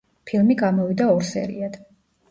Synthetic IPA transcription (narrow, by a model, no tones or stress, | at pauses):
pʰilˠmiɡamɔvid̪aɔɾsɛ̰ɾḭad̪̥